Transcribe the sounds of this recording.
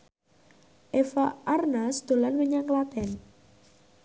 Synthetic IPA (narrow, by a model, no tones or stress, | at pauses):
ʔefaʔarnasd̪̥o̤lanwəɲaŋklat̪ɛn